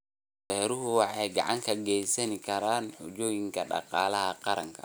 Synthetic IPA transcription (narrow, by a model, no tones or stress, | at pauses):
ɛːɾʊɦʊwɑħɑjɡɑʕɑŋkʰɐɡɛːjsɐnɪkʰɐɾaːnħʊt͡ʃɔːjɪŋkʰɐɖɑ̰qɑːlɐɦɐqɑɾɐ̰ŋkʰɐ̥̰